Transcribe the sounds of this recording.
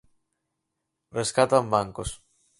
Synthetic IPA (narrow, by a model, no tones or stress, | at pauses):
reskat̪ambaŋkos